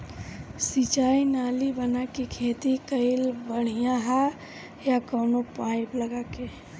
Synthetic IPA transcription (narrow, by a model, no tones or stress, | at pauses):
sit͡ʃaːinaːlibənakikʰeːt̪ikəɪlbəɽ̤ijãɦa | jakoːnopãːipləɡaːke